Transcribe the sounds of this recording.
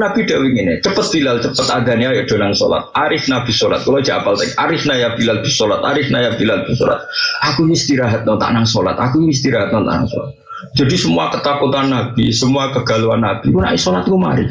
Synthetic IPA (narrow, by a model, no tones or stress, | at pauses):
nab̥id̥awiŋinet͡ʃəpət̪̚b̥ilalt͡ʃəpət̪aɡaniajaʔd̥o̤naŋso̰la̰t̪̚aɾɪfnab̥i̤sola̰t̪̚kolo̥d͡ʒiapalt̪akʔaɾɪhnajab̥ilalb̥i̤solat̪a̰ɾɪfnajab̥ilalb̥i̤so̰la̰t̪̚ʔakust̪iɾaɦat̪̚nɔt̪a̰ʔnaŋsola̰t̪akuiist̪iɾaɦat̪̚nɔt̪a̰ʔna̰ŋso̰la̰t̪̚ | dd͡ʒ̥a̤disəmuakət̪akut̪anːab̥isəmuakəɡ̥a̤luanːab̥ikuna̰ʔisolat̪kuma̰ɾḭ